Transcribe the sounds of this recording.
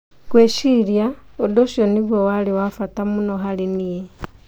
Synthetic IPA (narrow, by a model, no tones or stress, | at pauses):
kweʃiljaodoʃoniβwowaliwafatamunoɦalinije